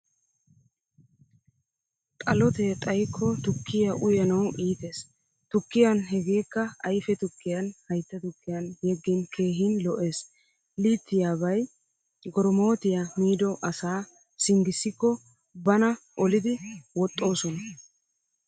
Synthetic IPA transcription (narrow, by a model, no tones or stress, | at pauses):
t̪ʼɐlɔt̪et̪ʼɐjkʰːɔt̪ʊkːɪjɐʔʊjɐnɐwʔiːt̪e̞ːs | t̪ʊkːɪjɐnɦɛɡe̞ːkːɐɐjfɛt̪ʊkːɪjɐnhɐjt̪ːɐt̪ʊkːɪjɐnjɛɡːɛnkʰe̞ːɦɪnlɔʔe̞ːs | liːt̪ːɪjaːbɐj | ɡɔɾɔmo̞ːt̪ɪjamiːd̪ɔʔɐsaː | sɪŋɡɪsːɪkːɔ | bɐnɐʔɔlɪd̪ɪwɔt̪ʼːo̞ːsɔnɐ